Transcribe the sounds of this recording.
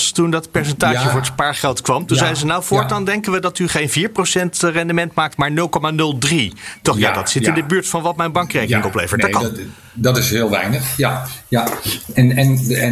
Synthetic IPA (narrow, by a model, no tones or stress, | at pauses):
stundɑtpɛɹs̬ɛntaːʒəvʊːɹətspaːɹχɛlˠtkʋɑmtunzɛjzənawvʊːɹtdɑndɛŋkənʋədɑtyχejnviːɹprowsɛntrɛndəmɛntmaːk̚tmaːɹnɵlˠkomanɵlˠdritɔχja̰dɑtsɪtɪndəbyːɹtfɑnʋɑtmɛjnbɑŋkrejkənɪ̃ŋɔplḛjvəɹtdk | dɑtɪsɦɪːlˠʋɛ̰jnəχjajaɛnɛn